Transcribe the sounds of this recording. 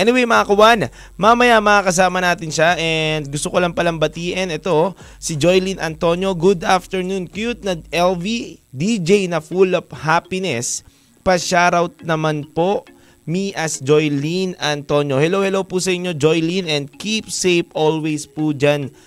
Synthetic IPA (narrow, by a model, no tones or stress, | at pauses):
ʔɛnɪwejmɐkakʊwan | mamɐjamɐŋakɐs̬aːmɐnaːt̪ɪnʃaʔɛnd̪̚ɡʊst̪okolɐmpɐlɐmbɐt̪iːʔɛnɛt̪o̞ | sid͡ʒojlinʔɐ̰nt̪o̞njo̞ɡud̪aft̪ɛɹnunkjut̪̚nɐʔɛlvid̪id͡ʒejnɐfulɐvhaːpɪnɛs | pɐʃaːɾɐwt̪̚nɐmanpo̞ʔ | miʔɐsd͡ʒojlinɐnt̪o̞njo̞hɛlowhɛlowpusɐʔɪɲːod͡ʒojlinɛnd̪̚kip̚sejpʔolwɛjspud͡ʒan